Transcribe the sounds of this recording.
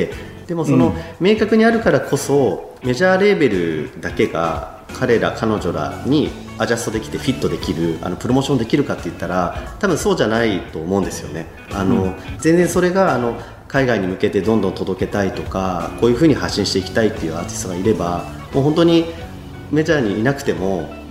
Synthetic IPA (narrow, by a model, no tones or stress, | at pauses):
e | d̪̥e̞mo̞so̞no̞me̞ːkakɯ̟ɲ̟iaɾɯ̟kaɾakʰo̞so̞ | me̞ʑaːɾe̞be̞ɾɯ̟d̪ake̞ɡa̰ | kʰaɾe̞ɾa̰kʰano̞ʑo̞ɾa̰ɲ̟i | aʑast̪o̞d̪e̞kʲi̥t̪e̞ɸʲit̪ːo̞d̪e̞kʲiɾɯ̟a̰no̞pɯ̟ɾo̞mo̞ːɕond̪e̞kʲiɾɯ̟kat̪ːe̞jɯ̟t̪ːaɾat̪abɯ̃so̞ːʑanait̪o̞ːmo̞ɯ̟̃nd̪e̞sɨjo̞ne̞ | ano̞zẽ̞nd͡zẽ̞so̞ɾe̞ɡaːno̞ | kaiɡaiɲ̟imɯ̟ke̞t̪e̞d̪õ̞nd̪õ̞nt̪o̞d̪o̞ke̞t̪ait̪o̞kakoːjɯ̟ɸɯ̟ːɲ̟ihaɕːĩɕi̥t̪e̞ikʲi̥t̪ait̪ːe̞jɯ̟at̪i̥soɡaiɾe̞ba | mo̞ːɦont̪oɲ̟i | me̞ʑaːɲ̟iːnakɯ̟̥t̪e̞mo̞